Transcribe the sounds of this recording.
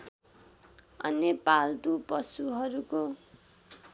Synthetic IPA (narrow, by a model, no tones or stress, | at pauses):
ʌ̰nepald̪upʌsuɦʌɾuko